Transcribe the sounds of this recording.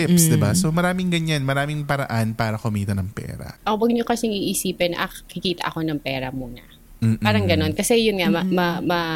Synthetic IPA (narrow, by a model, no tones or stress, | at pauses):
ɪpsd̪ɪbasomɐɾaːmɪŋɡɐɲanmɐɾaːmɪŋpɐɾɐʔanpaːɾɐkʊmiːt̪ɐnɐŋpɛ̰ːɾɐ̰ʔowɐɡɲokɐsɪŋiːʔɪsiːpɛnʔɐkɪkiːt̪ɐ̰ʔɐko̞nɐŋpɛːɾɐmuːnɐ̰ | m̩ːpaːɾɐŋɡɐno̞nkɐsɛjʊnŋamɐmɐmɐ